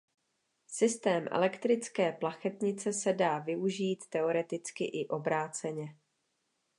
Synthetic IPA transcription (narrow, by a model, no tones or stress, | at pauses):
sɪst̪ɛːmʔɛ̰lɛkt̪ɾɪt͡skɛːplaxɛt̪ɲɪt͡sɛsɛdaːvɪuʒiːt̪ːɛo̞ɾɛt̪ɪt͡skɪʔɪʔo̞bɾaːt͡sɛɲɛ